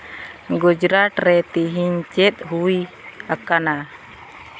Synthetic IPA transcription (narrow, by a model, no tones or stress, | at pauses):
ɡɔd͡ʒɾaʈɾɛt̪iɦiɲt͡ʃɛt̪̚ɦui | akana